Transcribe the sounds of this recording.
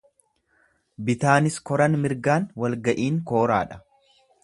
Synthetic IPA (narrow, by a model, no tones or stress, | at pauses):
bɪt̪aːnɪskɔɾɐnmɪɾɡaːnwɐlɡɐʔiːŋko̞ːɾa̰ːᶑɐ̥